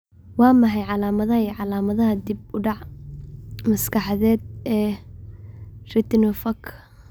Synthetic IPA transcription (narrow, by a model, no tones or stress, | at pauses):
wɑːmɑħɑjʕɑlaːmɐðɐɦɐiʕɑlaːmɐðɐɦɐd̪ib̚ʊɖɑʕ | mɐskʰɑħɑðɛːd̪̚ʔɛː | rɪt̪nɔfɐkʰ